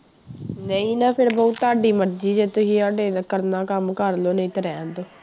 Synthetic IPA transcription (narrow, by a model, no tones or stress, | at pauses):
nəĩːnãːpʰɪɾbɔːt̪ːaːɖiːməɾd͡ʒiːd͡ʒeːt̪ʊsĩːaːɖeːnəkəɾnaːkəmkəɾloːnəĩːt̪əɾɛ̃ːnd̪oː